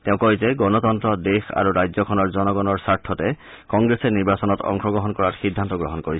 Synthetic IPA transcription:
teʊ̃kɔjzɛɡɔnɔtɔntɹɔdexa̰ɹuɹajzɔkʰɔnɔɹzɔnɔɡɔnɔɹsaɹtʰːɔtɛ | kɔŋɡɹesɛniɹbasɔnɔtɔ̰ŋxɔɡɹɔɦɔnkɔɹaɹxidʱːantɔɡɹɔɦɔnkoɹis

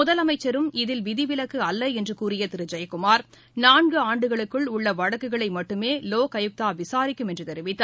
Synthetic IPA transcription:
ʊðɐlɐmɐɪt͡ʃːɐɾɯmɪðɪlʋɪðɪʋɪlɐkːɯɐlːɐɛndrɯkuːrɪjɐt̪ɪɾɯd͡ʒɐjɐkʊmaːɾ | naːnɡɯaːɳɖɯɣɐɭɯkːɯɭʊɭːɐʋɐɽɐkːɯɣɐɭɐɪmɐʈːɯmeːloːkɐjɯk̚t̪aːʋɪsaːɾɪkːɯmɛndrɯt̪ɛɾɪʋɪt̪ːa

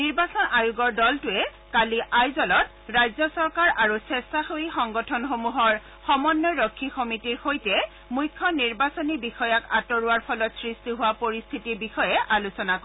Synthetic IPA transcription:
niɹbasɔnajuɡɔɹdɔltʊɛ | kaliʔajzɔlɔt | ɹajzjɔsɔɹkaɹaɹusɛstaxoixɔŋɡɔtʰɔnxomuɦɔɹ | xɔmɔnːɔɹɔkʰːixomitiɹxojtɛ | mujkʰːɔniɹbasɔnibixɔjaka̰tɔɹʊwaɹpʰɔlɔtsɹistiɦʊwapoɹist̪ʰitiɹbixɔjɛʔalusɔnakɔ

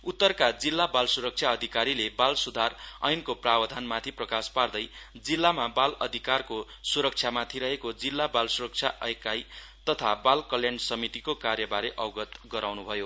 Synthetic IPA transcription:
ut̪ːʌrkad͡zilːabalsuɾʌk̚t͡ʃʰjaʌd̪ʱikaɾilebalsud̪ʱarʌ̰jnkoprabʌd̪ʱanmat̪ʰiprʌkaspard̪ʌjd͡zilːamabalʌ̰d̪ʱikarko | suɾʌk̚t͡ʃʰjamat̪ʰiɾʌɦekod͡zilːabalsuɾʌk̚t͡sʰjaʔʌ̰jkaj | t̪ʌt̪ʰabalkʌljansʌmit̪ikokarjʌbaɾeʔʌwɡʌt̪ɡʌɾawnubʱʌjo

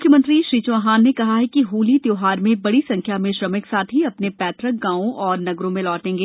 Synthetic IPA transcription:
ʊkʰjəmə̃nt̪ɾiʃɾiːt͡ʃʊaɦaːnːekɐɦaɦɛkiɦuːlit̪joːɦaːɾmẽbɐɽisɐ̃ŋkʰjamẽʃɾɐmɪksaːt̪ɦiɐpnepɛːt̪ʰɾək̚ɡãːõʔɔːɾnɐɡɾõmẽlɔːʈẽːŋɡeː

